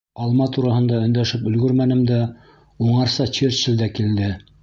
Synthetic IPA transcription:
ɑlˠmɑt̪uɾɑhɤ̆nd̪ɑɵ̆nd̪æʃɘpɵ̆lɡɵɾmænɘ̆md̪æ | uɴɑɾsɑt͡ɕiɾʃɘld̪ækild̪ɘ

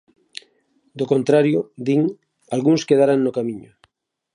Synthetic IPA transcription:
d̪okont̪ɾaɾjod̪iŋ | alɣunskeð̞aɾaŋnokamĩɲo

